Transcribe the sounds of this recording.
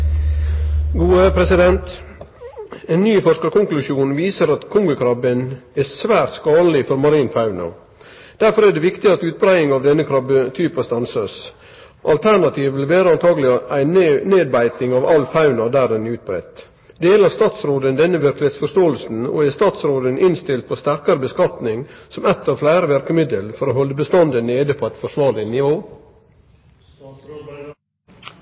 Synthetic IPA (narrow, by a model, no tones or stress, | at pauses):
ɡuːəpʰɾɛsɪd̪ɛnt̪ | eːnnyːfɔʂkəɾkʊŋklʉʂjuːnʋiːsəɾɑt̪kʰʊŋɡʊkʰɾɑbənɛsʋæːɾt̪skɑːd̪lɪfɔɾmɑɾiːnfɑʉnɑ̰ | d̪̥æɾfɔɾæɖɛːʋɪkt̪ɪɑt̪ʉːt̪̚bɾæɪɪŋɑʋd̪ɛnːəkʰɾɑbət̪ʰyːpɑst̪ɑnsɑs | ʔɑlt̪ʰæɳɑt̪ʰiːʋʋɪlʋeːɾəɑnt̪ʰɑːɡəlɪæɪneːd̪̚bæɪt̪ɪŋɑʋɑlfɑʉnɑd̪æːd̪ɛnɛʉːt̪̚bɾɛ̰t̪ | d̪̥eːlɑst̪ɑːt̪sɾoːd̪ənd̪ɛnːəʋɪɾklɪheːt̪sfɔʂt̪oːlsn̩o̰ːæst̪ɑːt̪sɾoːd̪ənʔɪnst̪ɪlt̪̚pʰost̪æɾkɑɾəbəskɑt̪nɪŋsɔmɛt̪ːɑʋflæɪɾəʋæɾkəmɪd̪əlfɔɾoːɦɔlːəbəst̪ɑnd̪əneːd̪əpʰoæɪt̪fɔʂʋɑːɭɪnɪʋoː